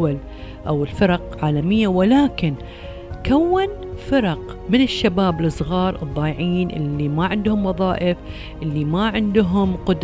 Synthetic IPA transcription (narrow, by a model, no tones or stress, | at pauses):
al | ʔawɪlfɪɾˤɑqʕaːlamɪjːawɪlaːkɪn | kawːan | fɪɾˤɑq | mɪnɪʃːabaːblɨsˤɣɑːɾˤɨ̰d̪ˤːɑːjʕiːnʔɪ̰lːimaʕɪnd̪hʊmwɑðˤɑːʔɪf | ʔɪlːimaʕɪnd̪ɦʊmqʊd̪